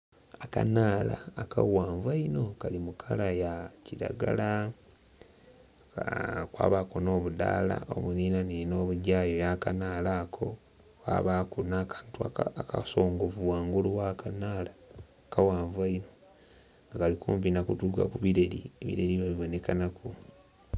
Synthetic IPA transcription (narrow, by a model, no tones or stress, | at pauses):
aka̰naːla̰ːkawaːɱvaino̞kalimukʰalajaciɾa̰ɡa̰la | kwa̰ːβakono̞ːβuda̰ːla̰o̰βuniːnaniino̞ːβuɟaːjo̞jakanaːlaːkʰo̞ | wa̰ːβaːkunakḁntuaakaso̞ːŋɡovuwaːŋɡuluwakanaːla | kawaːɱvaino̞ | ŋɡakalikuːmpinakutuka̰kuβiɾe̞ɾḭeβḭɾe̞ɾiβaβiβo̞ne̞kanaku